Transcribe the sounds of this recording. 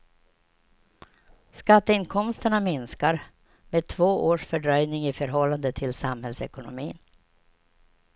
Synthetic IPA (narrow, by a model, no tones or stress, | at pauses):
skat̪ːəɪnkʰɔmst̪əɳamɪnskaɾ | meːd̪̚t̪ʰvoːʔoːʂfœɖɾœjnɪŋɪfœɾɦɔlːand̪ət̪ʰɪlsamhɛlsɛkʊnʊ̰mḭːn